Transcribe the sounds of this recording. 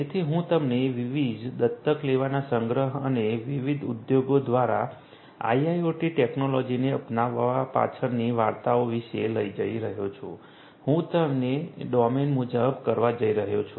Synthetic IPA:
d͡ʒet̪ʰiɦũt̪əmneʋiʋid͡ʒd̪ət̪ːəkleʋanasəŋɡɾəɦə̰neʋiʋid̪ʱud̪joɡod̪ʋaɾa | a̰iajoʈiʈeknolɔd͡ʒineəpnaʋapa̰t͡ʃʰəɾniʋaɾt̪aoʋiʃeləid͡ʒəiɾəɦjot͡ʃʰṵ̃ | hũt̪əmneɖɔmenmud͡ʒəbkəɾʋad͡ʒəiɾəɦjot͡ʃʰu

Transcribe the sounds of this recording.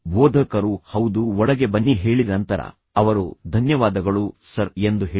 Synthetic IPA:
bɔːd̪ʱɐkɐɾuhɐwd̪uɔɭɐɡe̞bɐnːiɦe̞ːɭinɐnt̪ɐɾɐ̰ | ɐʋɐɾud̪ʱɐnjɐʋaːd̪ɐɡɐɭusɐɾe̞nd̪uɦeː

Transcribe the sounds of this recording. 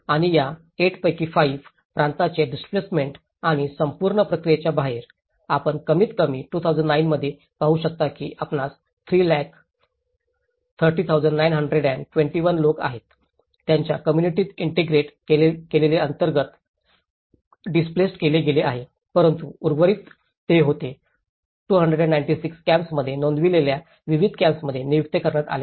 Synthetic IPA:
aɽ̃ija | eʈpəjkiːfaiʋ | pɾant̪at͡ɕeɖisplesmeɳʈ | aɽ̃isəmpuɾɳəpɾəkɾijet͡ɕjabʱaɦeɾ | apəɳkəmiːt̪kəmiːʈuːt̪ʰawd͡zəɳɖnainməd̪ʱːje | paɦuɕək̚t̪akḭːʔapnat͡s | t̪ʰɾiːlæk | t̪ʰəɾʈiːt̪ʰawd͡zəɳɖnajnɦəɳɖɾeɽɛnʈwʋẽɳʈiʋənloka̰ɦet̪ː | jaɲt͡ɕjakəmjuniʈiːt̪iɳʈeɡɾeʈeekeleleənt̪əɾɡət̪ | ɖisplesʈkeleɡeleʔaɦe | pəɾənt̪uuɾɡʋəɾiːt̪ː | eɦot̪e | ʈuːɦəɳɖɾeɖɛ̃ɳnajɳʈisikskæ̃mpsməd̪ʱːjenõnd̪ʋilelja | ʋiʋid̪̚ʱkæ̃mpsməd̪ʱːjenijuk̚t̪ekəɾɳək̪a̰la

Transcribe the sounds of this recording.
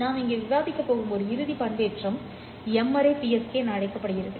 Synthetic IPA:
naːmɪŋɡeːʋɪʋaːðɪkːɐpːoːɾɯmɔɾɯɪɾɯðipɐɳbeːʈrɐm | ɛmːɐɾɐɪpiɛskeːnaːɻɐɪkːɐpːɐɽɯɣɪɾɯðɯ

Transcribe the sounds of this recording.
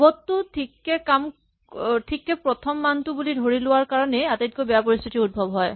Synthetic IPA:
bɔtːʊtʰikːɛkam | tʰikːɛpɹɔtʰɔmːantʊbulidʱoɹilʊwaɹkaɹɔnɛatet̚kojbɛjapoɹist̪ʰitiud̚bʱɔbɦɔj

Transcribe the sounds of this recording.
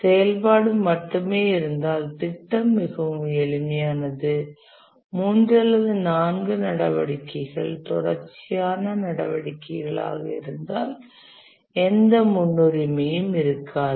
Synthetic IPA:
sɛjɐlpaːɽɯmːɐʈːɯmeːɪɾɯnd̪aːlt̪ɪʈːɐmːɪɣɐɛɭɪmɪjaːnɐðɯ | muːndrɐlːɐðɯnaːnɡɯnɐɽɐʋɐɽɪkːɐɪɣɐɭt̪ʊɾɐɾt͡ʃːɪjaːnɐnɐɽɐ̰ʋɐɽɪkːɐɪɣɐɭa̰ːɣɐ̰ɪ̰ɾɯnd̪aːl | ɛnd̪ɐmʊnːɯɾɪmɪjɯmɪɾɯkʰːaː

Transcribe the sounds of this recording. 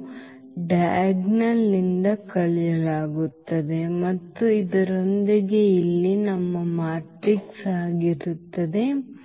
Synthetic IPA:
ɖɐjɡnɐlːind̪ɐkɐɭijɐlaːɡut̪ːɐd̪e̞mɐt̪ːuid̪ɐɾond̪iɡe̞ilːinɐmːɐmaːʈɾiksaːɡiɾut̪ːɐd̪e̞

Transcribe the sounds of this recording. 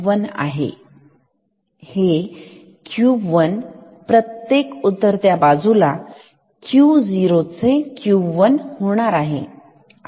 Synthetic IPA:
ʋəna̰ɦḛ | he | kjuʋən | pɾət̪jekut̪ːəɾt̪jabad͡zula | kjud͡ziɾot͡sekjuʋənhoɽ̃aɾaɦḛ

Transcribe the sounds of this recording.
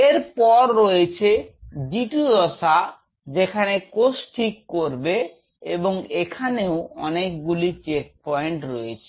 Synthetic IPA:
eɾpɔɾːoet͡ɕʰed͡ʑiʈud̪ɔʃa | d͡ʑekʰanekosʈʰikːoɾbe | eboŋekʰaneoɔnek̚ɡulit͡ɕek̚pɔjɳʈɾoet͡ɕʰe̥

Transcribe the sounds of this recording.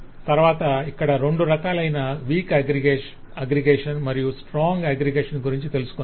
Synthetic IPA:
t̪ɐɾʋaːt̪ɐikːɐɽɐɾe̞ɳɖuɾɐkaːlɐjnɐʋiːkɐɡɾiɡe | ɐɡɾiɡeːʂɐnmɐɾijusʈɾaːŋɡeːɡɾiɡeːʂɐnɡuɾiɲt͡ʃit̪e̞lusu̥kon

